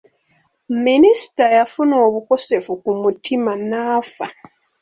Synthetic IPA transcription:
minisi̥tajafuno̞ːβuko̞se̞fukumutʰimanaːfa

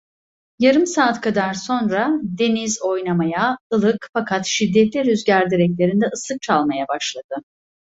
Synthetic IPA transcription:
jaɾɯmsaːt̪kʰad̪aɾso̞nɾad̪e̞nizo̞jnamajaɯlˠɯkfakʰat̪ʃid̪ːɛt̪lʲiɾyzɟæɾd̪iɾɛclʲe̞ɾind̪ɛɯsɯk̚t͡ʃʰalˠmajabaʃlˠad̪̥ɯ

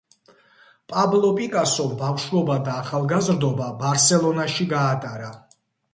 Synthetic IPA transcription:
pʼablˠɔpʼikʼasɔbavʃvɔbad̪aːχalˠɡazɾd̪ɔbabaɾsɛlˠɔnaʃiɡaːt̪ʼaɾa

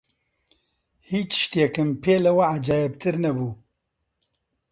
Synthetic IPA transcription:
hiːt͡ʃʃt̪jɛkɨmpʰeːlɐwɐʕad͡ʒaːjɛbt̪ʰɨɾnɛbuː

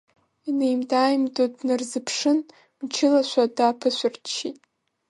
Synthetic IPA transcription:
inejmdʰʼaːjmdʼodnɨrzɨpʰʂɨn | mt͡ʃʰɪlaʃʷadapʰɨʃʷʊrt͡ʃʰːitʼ

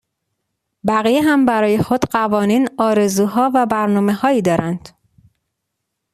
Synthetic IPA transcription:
bæɣijeɦæmbæɾɒːje̞xod̪̥ɢævɒːniːnɒːɾe̞zuːɦɒːvæbæɾnɒːme̞hɒːiːd̪ɒːɾænd̪̥

